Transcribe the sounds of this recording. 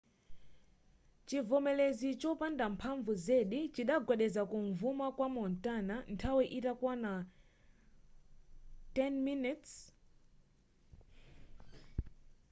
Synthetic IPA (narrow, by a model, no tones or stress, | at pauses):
t͡ʃivɔmɛlɛzit͡ʃɔpandampʰaɱvuzɛɗit͡ʃiɗaɡwɛɗɛzakuɱvumakwamɔntanantʰawiʔitakwana | tɛnminits